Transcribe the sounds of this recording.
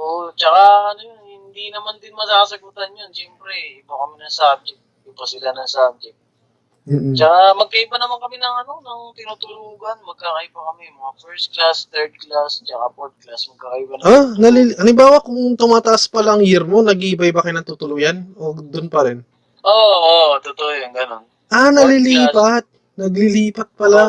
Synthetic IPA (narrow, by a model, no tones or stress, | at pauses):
ʔot͡ʃɐkaɐnojonhɪnd̪inɐmand̪ɪnmɐsaːkɐsɐɡuːt̪ɐnjonʃɛmpɾɛbokɐmɪnɐŋsab̚d͡ʒɛk̚t̪jʊŋpɐsɪlanɐŋsab̚d͡ʒɛk̚t̪ | m̩ːʔ̩t͡ʃɐkamɐɡ̚kɐibanɐmankɐmɪnɐŋɐno̞nɐŋt̪ɪnuːt̪ʊluːɡɐnmɐɡ̚kakɐʔibakɐmɛmɐŋafɛɹst̪̚klast̪ɛɹd̪̚klast͡ʃɐkapoɾt̪̚klasmɐɡ̚kakɐibanonɐliʔɐlɪmbaːwakʊŋt̪ʊmaːt̪ɐʔaspɐlaŋjɪɾmo̞nɐɡiːbɐjbɐkɐjnɐŋt̪uːt̪ʊluːjanod̪ʊnpɐɾɛn | ʔoot̪ot̪oʔjɐnɡɐnon | ʔanɐliliːpat̪̚ | nɐɡlɪliːpɐt̪̚pɐla